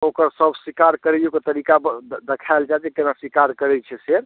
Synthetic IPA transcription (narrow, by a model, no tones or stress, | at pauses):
okəɾsəbʱswikaɾkəɾɛjuket̪əɾikad̪ekʰaɪld͡ʒat̪ɛkenaswikaɾkəɾɛt͡ʃʰɛseɾ